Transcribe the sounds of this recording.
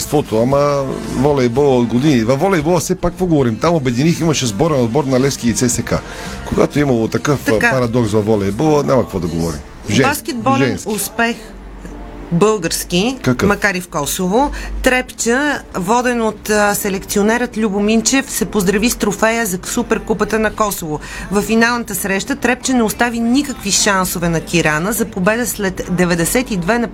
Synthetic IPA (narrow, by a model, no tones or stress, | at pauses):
st̪vɔt̪oɐmɐvɔlɛɛbɔlˠəod̪ɡod̪inivɐvɔlɛibolˠəsɛpakvoɡovɔɾimt̪amobɛd̪iniximɐʃɛzbɔɾɛnod̪bɔɾnɐlɛfskilit̪sɛsɛka̰ | koɡat̪oimɐlˠot̪ɐkɤfppɐɾɐd̪ɔksvɐvɔlɛibolˠənʲʔamɐkɐkvɔd̪ɐɡovɔɾḭm | vʒɛbaskʲɛd̪̚bɔlʒɛnsʊspɛx | bɤlˠɡəɾskikamɐkaɾifkɔsovot̪ɾɛpt͡ʃəvɔd̪ɛnot̪sɛlɛkt̪sionɛɾət̪lʲubʊmint͡ʃɛfsɛpozd̪ɾɐvist̪ɾofɛjəzɐsupɛɾkupət̪ənɐkɔsovo | vɐfːinalˠnət̪əsɾɛʃt̪ət̪ɾɛp̚t͡ʃənɛost̪avinikəkviʃansovɛnɐkʲiɾanəzɐpobɛd̪əslɛt̪d̪ɛvɛd̪ɛsɛt̪id̪vɛnɐ